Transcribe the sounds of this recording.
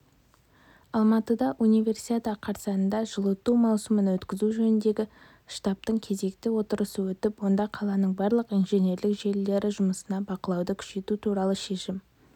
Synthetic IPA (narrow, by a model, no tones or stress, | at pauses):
ɑlˠmɑt̪əd̪ɑʔunijve̞rsi̥t̪ʲet̪ɑqʰɑɾsɑnənd̪ɑʒəlˠət̪ːumɑwsəmənwɵt̪kʲɪzuʒɵnɪnd̪e̞ɡʲɪ | ʃt̪ɑp̚t̪əɴkʲʰe̞ze̞k̚t̪ɪwo̞t̪əɾəsəwɵt̪ɪpwo̞nd̪ɑqʰɑlˠɑnəɴbɑɾlˠəqijnʒe̞ne̞ɾlɪkʒe̞lːe̞ɾɪʒʊməsənɑbɑqəlˠɑwd̪əkʲʰʏ̥ʃe̞t̪ut̪ʰuɾɑlˠəʃe̞ʃɪm